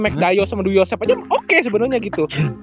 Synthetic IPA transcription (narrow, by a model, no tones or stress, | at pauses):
mɛk̚dajosamadujosɛpad͡ʒamokes̬əbənərɲaɡit̪u